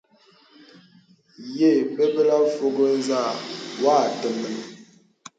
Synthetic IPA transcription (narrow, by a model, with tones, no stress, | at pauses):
je˦˨pə˦bə˦la˦fo˨ɡə˦n˦za˦˨wa˦˨tə˨mə˨nə˨